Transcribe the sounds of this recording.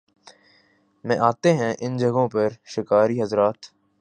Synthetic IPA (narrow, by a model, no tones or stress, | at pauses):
mɛ̃ʔaːt̪eɦɛ̃ʔɪnd͡ʒɐɡõpɐɾʃɪkaːɾiɦɐzɾaːt̪